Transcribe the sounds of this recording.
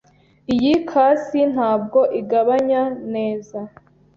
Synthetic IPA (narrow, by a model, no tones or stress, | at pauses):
ijikʰaːsin̥haːb̚ɡo̞ʔiɡaβaɲane̞ːza